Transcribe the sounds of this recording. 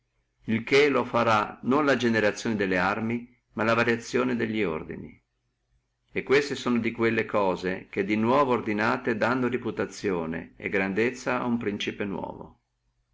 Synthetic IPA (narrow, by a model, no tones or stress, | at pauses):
ilkelofaɾanonlad͡ʒeneɾat̪sːjoːned̪elːearmi | malavaɾjat̪sːjoːned̪eʎːio̰rd̪ḭnḭ | ekːwest̪esoːnod̪ikwelːekɔːzek̟ed̪inwɔːvoːrd̪inaːt̪ed̪anːoriput̪at̪sːjoːnḛḛɡɾand̪et̪sːaa̰umpɾint͡ʃipenwɔ̰ːvo̰